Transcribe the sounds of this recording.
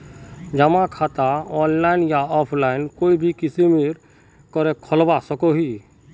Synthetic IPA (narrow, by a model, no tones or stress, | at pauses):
d͡ʒəmakʰat̪aɔnlaɪnjaɔpʰlaɪnkoːibʱikisimiɾ | kɔɾekʰɔlbasəkoɦi